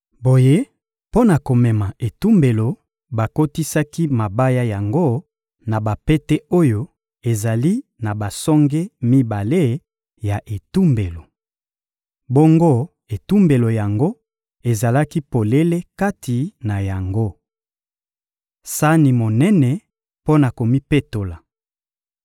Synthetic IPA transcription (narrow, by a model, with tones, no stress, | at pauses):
bo˨je˦ | po˦na˨ko˨mɛ˨ma˨e˨tu˦mbe˨lo˨ | ba˨ko˦ti˦sa˦ki˦ma˨ba˦ja˦ja˨ŋɡo˦ | na˨ba˨pe˦tɛ˦o˦jo˦ | e˨za˨li˦na˨ba˨sɔ˦ŋɡe˦mi˦ba˨le˦ | ja˨ʔe˨tu˦mbe˨lo˨ | bo˦ŋɡo˦ | e˨tu˦mbe˨lo˨ja˨ŋɡo˦ | e˨za˨la˦ki˦po˨le˦le˦ka˦tʰi˨na˨ja˨ŋɡo˦ | sa˦ni˨mo˨nɛ˦nɛ˨ | po˦na˨ko˨mi˦pe˦to˨la˨